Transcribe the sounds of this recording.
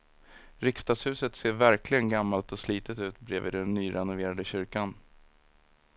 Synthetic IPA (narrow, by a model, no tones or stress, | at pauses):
ɾɪkst̪ɑːɡshʉ̟ːsət̪seːɾvæɾklɪɡənɡamːalt̪ɔsliːt̪ət̪ʉ̟ːt̪bɾḛːvḭːd̪ɛnːyːɾʔɛnʊveːɾad̪əɕʏɾkan